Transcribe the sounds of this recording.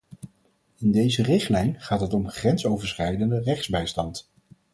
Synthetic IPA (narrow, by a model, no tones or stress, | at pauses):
ɪndejzərɪχtlɛjnχaːtɦətɔmχrɛnsowvəɹsχɛjdəndərɛχzbɛjstɑnt